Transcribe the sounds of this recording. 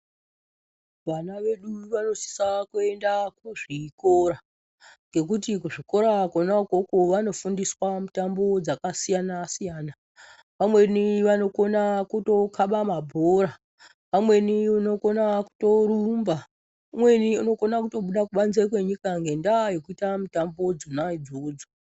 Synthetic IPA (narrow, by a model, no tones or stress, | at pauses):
ʋanaʋe̞ɗuʋano̞si̥sakue̞ndakuʐiko̞ɾa | ŋɡe̞k̬utik̬uʐiko̞ɾakonakokoʋano̞fundiswamutambo̞d͡zakasijanasijaːna | ʋamwe̞niʋano̞ko̞nakuto̞kaɓamabʱoɾa | ʋamwe̞niuno̞ko̞naku̥to̞ɾumba | umwe̞niuno̞ko̞nakuto̞ɓuɗakuɓanzek̬we̞ɲikaŋɡe̞ndajo̞kuitamitambo̞d͡zonaid͡zoːd͡zo